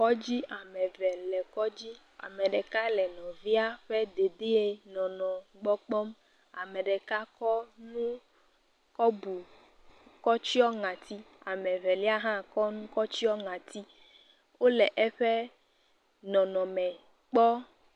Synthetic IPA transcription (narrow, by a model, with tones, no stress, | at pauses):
kɔ˦d͡ʑi˦a˨mɛ̃˨vɛ˨lɛ˨kɔ˦d͡ʑi˦ | a̰˨mɛ̃˨ɖɛ˨ka˦lɛ˨nɔ̃˨vi˦a˦ɸɛ˦d̪e˨d̪e˦e˦nɔ̃˨nɔ̃˨ɡ͡bɔ˦k͡pɔ˦m | a˨mɛ˨ɖɛ˨ka˦kɔ˦nũ˦ | kɔ˦bu˨ | kɔ˦t͡ɕi˦ɔ˦ŋã˨t̪i˦ | a˨mɛ̃˨vɛ˨li˦a˦ɦã˦kɔ˦nũ˦kɔ˦t͡ɕi˦ɔ˦ŋã˨t̪i˦ | wo˦lɛ˨ʔɛ˦ɸɛ˦ | nɔ̃˨nɔ̃˨mɛ̃˨ | k͡pɔ˦